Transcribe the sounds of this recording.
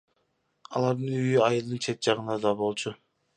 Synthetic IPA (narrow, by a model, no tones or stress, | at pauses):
ɑ̰lˠɑɾd̪ɯnyjyɑjɯlˠd̪ɯnt͡ʃʰe̞t̪̚d͡ʒɑʁɯnɑd̪ɑbo̞lˠt͡ʃʰʊ